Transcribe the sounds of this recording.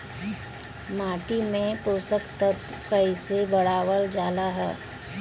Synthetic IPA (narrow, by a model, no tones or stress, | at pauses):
maːʈimẽpoːsəkt̪ət̪ | kɐisebɐɽ̤aːʋəld͡ʒaːlaɦɛ̰ː